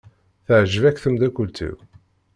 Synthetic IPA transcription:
θəʕʒəvækːθəmd̪ækːult̪ḭw

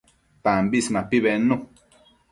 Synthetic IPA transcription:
pambismãpiβenũ

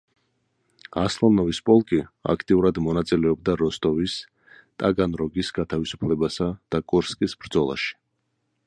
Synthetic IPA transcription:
aslˠanɔvispʼɔlˠkʼia̰kʰt̪ʼiuɾad̪mɔnat̪sʼilɛɔb̚d̪aɾɔst̪ʼɔvis | t̪ʼaɡanɾɔɡisɡat̪ʰavisu̥pʰlɛbasad̪̥akʼuɾskʼisbɾd̪zɔlˠa̰ʃi̥

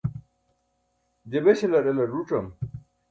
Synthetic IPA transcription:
d͡ʑebeɕelɐɾelɐɾuʈ͡ʂɐm

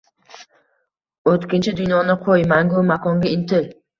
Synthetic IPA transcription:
ot̪kʲɪnt͡ʃʰɪd̪ʊnjɒnɪqʰojmaŋɡomakʰɒŋɡʲaɪnt̪ʰɪl

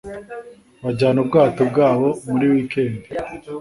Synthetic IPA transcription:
βaɟaːnub̚ɡaːtob̚ɡaːβo̞muɾiwiːkeːndi

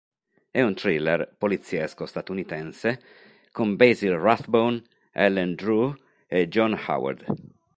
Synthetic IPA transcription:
ɛunt̪ɾilerpolit̪sːiɛskost̪at̪unit̪ɛnse | kombezilraθbon | ɛlːɛnd̪ɾu | ed͡ʒɔnha̰wa̰ɾd̪

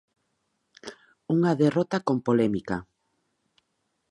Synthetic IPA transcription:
uŋaðerɔt̪akompolɛmika

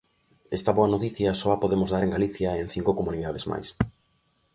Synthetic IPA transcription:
ɛst̪ɐβoɐnot̪iθjɐsɔapoðemozðaɾeŋɡaliθjaen̟θiŋkokomũniðaðezma̰js

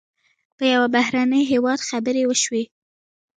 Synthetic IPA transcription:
pəjawabaɦɾanəjɦewɑd̪xabəɾewəʃwe

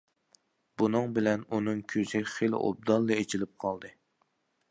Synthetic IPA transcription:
b̥unɨŋbɪlɛnunɨŋkʲʰøz̥ɪχelɪ̰ʔo̰b̚d̪ɑlˠːɨet͡ʃʰilɪp̚qʰɑlˠd̪ɨ

